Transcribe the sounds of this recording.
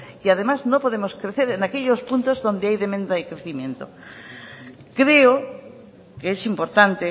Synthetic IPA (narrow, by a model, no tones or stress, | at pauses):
iað̞emaznopo̞ðemoskɾeθeɾenakeʎospunt̪ozðo̞nd̪eajðemẽnd̪aikɾeθimjẽ̞nt̪o | kɾeo | keesimpo̞ɾt̪ant̪e